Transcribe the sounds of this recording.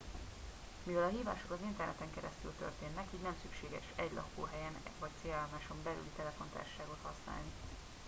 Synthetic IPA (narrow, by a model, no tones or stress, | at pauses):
mivɛlɒɦiːva̰ːʃo̞kɒzint̪ɛrnɛt̪ɛŋkɛɾɛst̪ylt̪ø̞̰rt̪eːnːɛkiːɟnɛmsykʃeːɡɛ̰ʃɛɟlɒ̰kːo̰ːɦɛjɛnvɒc̚t̪seːlaːlmaːʃo̞mbɛly̰lit̪ɛlɛfo̞nt̪a̰ːrʃo̥ʃaːɡo̞t̪hɒsna̰ːlni